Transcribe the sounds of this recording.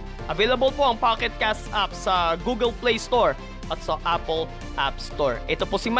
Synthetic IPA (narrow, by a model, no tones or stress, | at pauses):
ʔɐvejlɐbɐlpoʔɐŋpakɛt̪̚kast̪ʔap̚sɐɡuɡɛlplejst̪oɹ | ʔɐt̪sɐʔapɛl | ʔapst̪oɹʔɛt̪oposɪm